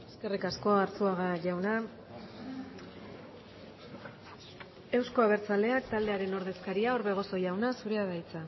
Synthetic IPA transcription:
e̞ske̞rikasko̞aɾt͡suaɣaʝawna | e̞wsko̞aβ̞e̞ɾt͡sald̪e̞akt̪ald̪e̞aɾe̞no̞ɾðe̞skaɾiao̞ɾβe̞ɣ̞o̞so̞jawnasuɾe̞aðajt͡sa

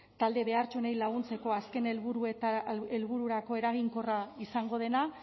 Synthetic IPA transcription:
t̪ald̪e̞βe̞aɾt͡ʃunejlaɣ̞unt͡se̞ko̞aske̞nelβuɾuet̪elβuɾuɾako̞e̞ɾaɣ̞iŋko̞raisaŋɡo̞ð̞e̞na

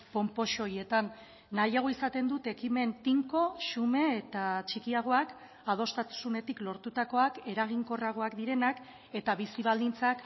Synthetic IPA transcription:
po̞mpo̞ʃo̞je̞t̪anː | ajaɣoisat̪e̞nd̪ut̪e̞kime̞nt̪iŋko̞ʃume̞ːt̪at͡ʃikiaɣ̞o̞ak | að̞o̞st̪at̪u̥sune̞t̪iklo̞ɾt̪ut̪ako̞ake̞ɾaɣ̞iŋko̞raɣ̞o̞akd̪iɾe̞nak | e̞t̪aβisiβ̞ald̪int͡sak

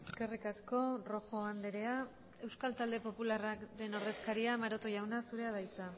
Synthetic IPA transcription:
eske̞rikasko̞ro̞xo̞and̪eɾe̞a | e̞wskalt̪ald̪e̞po̞pularaɾe̞no̞ɾðe̞skaɾiamaɾo̞t̪oʝawnasuɾe̞að̞ajt͡sa

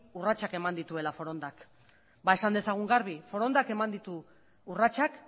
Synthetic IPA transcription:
urat͡ʃake̞mand̪it̪ue̞lafo̞ɾo̞nd̪ak | bae̞sand̪e̞saɣ̞uŋɡaɾβ̞ifo̞ɾo̞nd̪ake̞mand̪it̪uː | rat͡ʃak

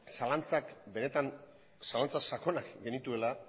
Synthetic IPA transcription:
salant͡sakbe̞ne̞t̪an | salant͡sasako̞nakɡe̞nit̪ue̞la

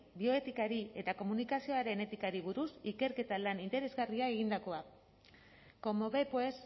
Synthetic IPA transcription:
bio̞e̞t̪ikaɾie̞t̪ako̞munikasio̞aɾe̞ne̞t̪ikaɾiβ̞uɾusike̞ɾke̞t̪alanint̪e̞ɾe̞zɣariae̞ɣ̞ind̪ako̞a | ko̞mo̞βe̞poes

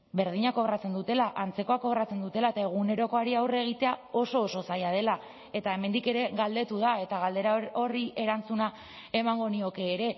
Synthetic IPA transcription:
be̞ɾð̞iɲako̞ɣɾat͡se̞nd̪ut̪e̞laʔant͡se̞ko̞akoɣɾat͡se̞nd̪ut̪e̞laet̪ae̞ɣ̞une̞ɾo̞ko̞aɾiawre̞ɣ̞it̪e̞ao̞so̞ːso̞sajaðe̞la | e̞t̪ae̞me̞nd̪ike̞ɾe̞ɣald̪e̞t̪uðae̞t̪aɣald̪e̞ɾao̞ɾie̞ɾant͡suna | e̞maŋɡo̞nio̞ke̞ːɾe̞

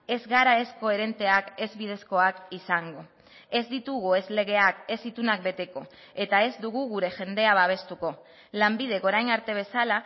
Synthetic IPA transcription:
e̞zɣaɾae̞sko̞e̞ɾe̞nt̪e̞ake̞zβið̞e̞sko̞akisaŋɡo̞ | e̞zd̪it̪uɣ̞ue̞zle̞ɣe̞ake̞zit̪unak̚be̞t̪e̞ko̞ | e̞t̪ae̞zd̪uɣ̞uɣ̞uɾe̞ʝe̞nd̪e̞aβaβ̞e̞st̪uko̞ | lambið̞e̞ko̞ɾajnaɾt̪e̞β̞e̞sala

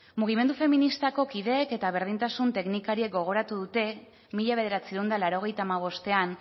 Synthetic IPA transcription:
muɣ̞ime̞nd̪ufe̞minist̪ako̞kiðe̞ːke̞t̪aβ̞e̞ɾð̞int̪asunt̪e̞knikaɾie̞k̚ɡo̞ɣ̞o̞ɾat̪uðut̪e̞ | miʎaβe̞ðe̞ɾat͡siend̪alaɾo̞ɣ̞e̞jt̪aːmaβ̞o̞st̪e̞an

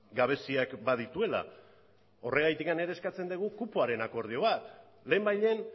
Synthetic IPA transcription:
ɡaβ̞e̞siakbað̞it̪ue̞la̰ | o̞rʔe̞ɣ̞ajt̪ikane̞ɾe̞skat͡se̞nd̪eɣ̞ukupuaɾe̞nako̞ɾð̞io̞βat̪ | le̞ːmbajʎe̞n

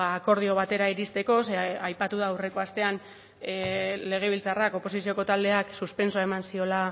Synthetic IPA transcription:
aːko̞ɾð̞io̞β̞at̪e̞ɾaiɾist̪e̞ko̞seajpat̪uðaːwre̞ko̞ast̪e̞an | le̞ɣ̞e̞β̞ilt͡sarako̞po̞sisio̞ko̞t̪ald̪e̞aksuspe̞nsoaemansio̞la

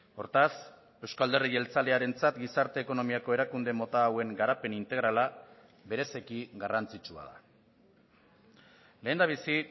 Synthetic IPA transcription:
o̞ɾt̪as | e̞wskald̪e̞rie̞lt͡sale̞aɾe̞nt͡sat̪ɡisaɾt̪e̞ːko̞no̞miako̞e̞ɾakund̪e̞mo̞t̪aːwe̞ŋɡaɾape̞nint̪e̞ɣ̞ɾala | be̞ɾe̞se̞kiɡarant͡sit͡ʃua̰ð̞a | le̞ːnd̪aβ̞isi

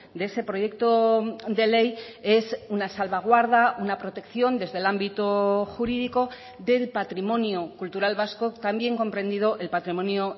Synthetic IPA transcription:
d̪eese̞pɾo̞je̞kt̪o̞d̪e̞le̞je̞sunasalβaɣ̞waɾðaʔunapɾo̞t̪e̞kθjo̞nd̪e̞zðelambit̪oxuɾiðiko̞ | ðe̞lpat̪ɾimõ̞njokult̪uɾalβasko̞t̪ambje̞ŋko̞mpɾe̞nd̪ið̞o̞ʔe̞lpat̪ɾimõ̞njo

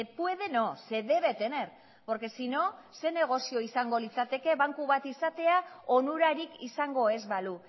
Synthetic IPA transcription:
epueðenose̞ðe̞βe̞t̪e̞neɾ | oɾke̞sino̞se̞ne̞ɣ̞o̞sio̞isaŋɡo̞lit͡sat̪e̞ke̞βaŋkuβat̪isat̪e̞aonuɾaɾikisaŋɡo̞e̞zβalu

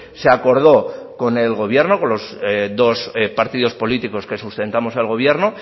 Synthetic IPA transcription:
se̞ako̞ɾð̞o̞ko̞ne̞lɣo̞βje̞ɾno̞ko̞nlo̞zðo̞spaɾt̪iðo̞spo̞lit̪iko̞ske̞sust̪e̞nt̪amo̞selɣo̞β̞je̞ɾno

